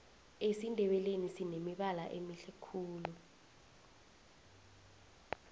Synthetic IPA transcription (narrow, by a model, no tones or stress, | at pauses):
esindʱɛɓɛlenisinemiɓala̰ʔemiɬɛkʰuːlu